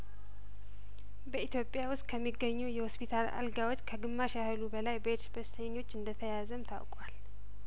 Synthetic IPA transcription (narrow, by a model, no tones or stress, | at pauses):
bəit̪jo̞pʼjawʊst̪̚ʼkʰəmːiɡːəɲːujɛhospʰit̪ʰala̰lɡawot͡ʃːkʰəɡɨmːaʃahɨlubəlajbəeɾsbəst̪ʰəɲːo̞t͡ʃːɨnd̪ət̪ʰəjazəmt̪ʰa̰wkʼwal